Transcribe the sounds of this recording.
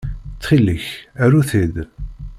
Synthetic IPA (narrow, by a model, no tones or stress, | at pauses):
t͡sːχilːəçæɾuθid̪